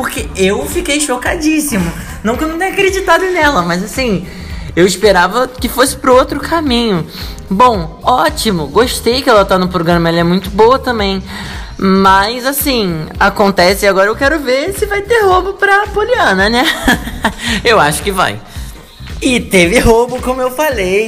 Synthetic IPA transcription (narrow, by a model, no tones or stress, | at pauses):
pʊχkeewfikejʃokad͡ʒisimʊ | nɐ̃w̃kewnɐ̃t̪ẽakɾed͡ʒit̪ad̪ʊnɛlɐmɐjzasĩ | ewɪspeɾavɐkɪfosɪ̥pɾʊot̪ɾʊkʰamĩɲʊ | bõw̃ | ɔt͡ʃimʊɡoʃt̪ejkɛlɐt̪anʊpɾoɡɾɐ̃mɐɛlɐɛmũj̃t̪ʊboɐt̪ɐ̃mbẽj̃ | mɐzasĩakõnt̪ɛsɪɪaɡɔɾɐewkɛɾʊveɾsɪvajt̪eɾɦobʊpɾɐpoliɐ̃nɐnɛ | ewaʃʊ̥kɪva̰j | ɪt̪evɪɦobʊkõmʊewfalej